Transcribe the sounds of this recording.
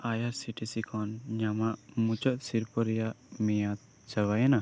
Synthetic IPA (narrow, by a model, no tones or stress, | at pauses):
ajaɾsiʈisikʰɔnɲamaʔmut͡ʃɔt̪̚siɾpɔɾɛjaʔmɛjat̪̚ | t͡ʃəwajana